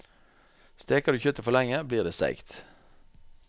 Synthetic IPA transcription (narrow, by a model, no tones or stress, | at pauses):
st̪eːkɑd̪ʉːçʏt̪əfɔlɛŋəbliːʁd̪eːsæ̰ɪkt̪